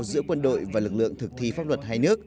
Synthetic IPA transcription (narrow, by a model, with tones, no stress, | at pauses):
zɨ̰˧˥əkwə˧nɗo̰˧˨jvaː˨˩lɨ˨˩k̚lɨ̰˧˨əŋt̪ɨ˨˩k̚t̪ʰi˧faː˦˥p̚lwə˨˩t̚haː˧jnɨ˦˥ək̚